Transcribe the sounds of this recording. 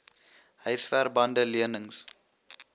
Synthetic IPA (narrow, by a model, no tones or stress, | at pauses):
ɦəjsfærbɐndəliənəŋs